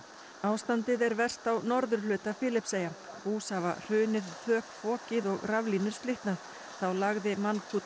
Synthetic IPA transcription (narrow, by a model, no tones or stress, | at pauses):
aːwst̪ant̪ɪðɛɾvɛr̥st̪awnɔɾðʏɾ̥lʏːt̪afɪːlɪpseːjapuːsava̰r̥ʏːnɪðfœːkfɔːcɪðɔɣravliːnʏɾ̥st̪lɪht̪nað | θawlaɣðɪmankʰuːt̪